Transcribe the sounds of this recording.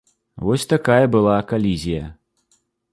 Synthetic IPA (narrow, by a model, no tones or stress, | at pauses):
vɔsʲt̪akajɐbɨlˠakalʲizʲijɐ̰